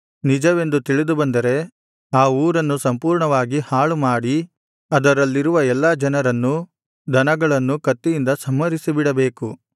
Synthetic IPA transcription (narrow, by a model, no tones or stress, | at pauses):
nid͡ʒɐʋe̞nd̪ut̪iɭid̪ubɐnd̪ɐɾe̞ | aːuːɾɐnːusɐmpuːɾɳɐʋaːɡihaːɭumaːɽi | ɐd̪ɐɾɐlːiɾuʋɐɛlːaːd͡ʒɐnɐɾɐnːu | d̪ʱɐnɐɡɐɭɐnːukɐt̪ːijind̪ɐsɐmːɐɾisibiɽɐbeːku